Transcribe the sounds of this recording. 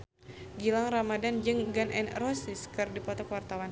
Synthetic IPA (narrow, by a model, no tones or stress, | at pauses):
ɡilaŋramadand͡ʒɨŋɡanʔɛ̰nrɔsɪskɨrdipɔt̪ɔkwart̪awan